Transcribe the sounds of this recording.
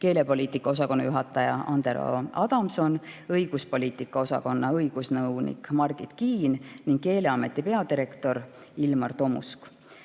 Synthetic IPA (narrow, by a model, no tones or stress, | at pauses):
ke̞ːle̞po̞liːt̪ˑikːˑɑo̞s̬ɑko̞nːɑjuɦɑt̪ːˑɑjɑ̰ʔɑnd̪eɾo̰ɑd̪̥ɑmso̞nɤjɡ̥uspo̞lʲiːt̪ˑikːˑɑo̞sɑ̰ko̞nːɑɤjɡ̥usnɤwnḭkmɑrɡ̥it̪kiːnniŋɡ̥ke̞ːle̞ɑme̞t̪ːˑipe̞ɑd̪iɾe̞kt̪o̞ɾ | ilmɑrt̪o̞mṵsk